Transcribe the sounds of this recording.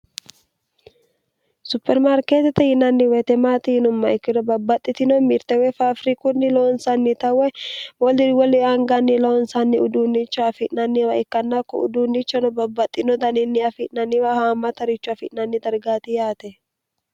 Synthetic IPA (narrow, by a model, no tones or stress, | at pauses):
sʊpːɛɾmaɾkeːt̪ɛt̪ɛhɪnɐnːɪwɛt̪ɛmaːt̪ɪhɪnʊmːɐɪkːɪd̪ɔbɐbːɐt̪ʼːɪt̪ɪnɔmɪɾt̪ɛwɛfaːfɾikʊnːɪloːnsɐnːɪt̪ɐwɛwɔlɪwɔlɪɐŋɡɐnːɪloːnsɐnːɪʊd̪uːnːɪt͡ʃːɔɐfɪʔnɐnːiwɐɪkːɐnːakːɔ̰ʊ̰d̪uːnːɪt͡ʃːɔnɔbɐbːɐt̪ʼːɪnɔd̪ɐnɪnːɪɐfɪʔnɐnːiwɐhaːmːɐt̪ɐɾɪt͡ʃːʊɐfɪʔnɐnːɪd̪ɐɾɡaːt̪ɪjaːt̪ɛ